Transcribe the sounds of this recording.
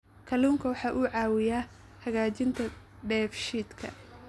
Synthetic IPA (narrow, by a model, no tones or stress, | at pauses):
kʰɐluːŋkʰɐwɑħɑːʔuːʕɑːwɪjaː | hɐɣaːt͡ʃɪnt̪ʰɐ | ɖɛːfʃiːd̪kʰɐ̰